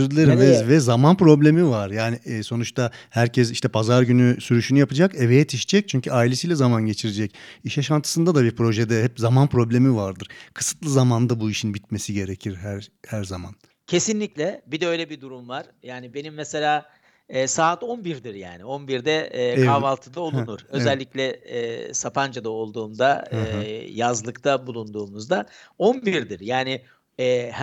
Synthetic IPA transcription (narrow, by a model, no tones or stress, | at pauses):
yɾd̪ilʲeɾmɛzvɛzamanpɾo̞blʲemivaɾjaːniso̞nut͡ʃt̪ʰahæɾcʰɛs̬iʃt̪ʰɛpʰazaɾɟynysyɾyʃynyjapad͡ʒakevejɛt̪ʰiʃi̥d͡ʒɛc̚t͡ʃʰyɲcʰyaːilʲe̞silʲɛzamanɟe̞t͡ʃʰiɾed͡ʒɛciʃaʃant̪ʰɯsɯnd̪ad̪abiɾpʰɾo̞ʒed̪ɛhɛpzamanpɾo̞blʲe̞mivaɾd̪ɯɾ̥kʰɯ̥sɯ̥t̪lˠɯzamand̪abuiʃinbit̪̚me̞siɟe̞ɾecʰiɾɦæɾhæɾzaman | cʰe̞sinlʲiclʲɛbid̪ɛø̞jlʲɛbid̪uɾumvaɾ̥jaːnibe̞nimːɛse̞lʲaː | ɛːsaːt̪o̞nbiɾd̪iɾja̰ːnio̞nbiɾd̪ɛːkʰavalˠt̪ʰɯd̪aolˠunuɾ̥ø̞zɛlʲːiclʲɛɛːsapʰand͡ʒad̪ao̞lˠd̪uːmd̪aː | jazlˠɯkt̪ʰabulˠund̪uːmuzd̪ao̞nbiɾd̪iɾjaːnɪ | ɛːh